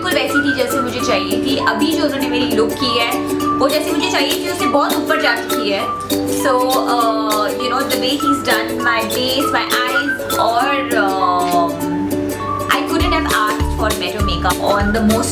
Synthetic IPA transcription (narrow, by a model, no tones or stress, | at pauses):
ɪlkʊlʋɛːsit̪ʰid͡ʒɛːsemʊd͡ʒʱet͡ʃaːɦiet̪ʰiʔɐbʱid͡ʒoːʊzonemeːɾilʊkːiɦɛːʋod͡ʒɛːsemʊd͡ʒʱet͡ʃaːɦiet̪ʰiʊsnebɔɦt̪upəɾʈaːʈkiɦɛː | soːəːjʊnoːd̪əʋeːɦiːzdɐ̃n | maɪɖeːsmaɪʔaːɪz | ɔːɾə | ʔa̰ɪkʊɖə̃ɳ̩ʈɦɛʋaːsʈfɔːɾmɛːʈumeːkɐpɔ̃ːnd̪əmoːs